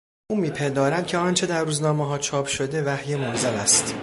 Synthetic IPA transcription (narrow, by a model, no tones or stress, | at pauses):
ʔuːmiːpʰend̪ɒːɾæmd̪cʰeɒnt͡ʃʰe̞d̪æɾːuːznɒːmeɦɒːt͡ʃʰɒːpʰʃo̞d̪e̞væhje̞moɾzælæst̪